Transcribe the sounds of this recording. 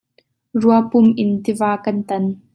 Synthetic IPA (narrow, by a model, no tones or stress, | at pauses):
ruɐpʊmʔɪnt̪ivaːkɐnt̪ɐn